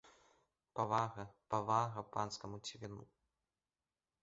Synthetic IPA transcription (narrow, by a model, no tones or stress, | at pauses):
pɐvaɣɐpɐvaɣɐpanskɐmut͡sʲivʲinu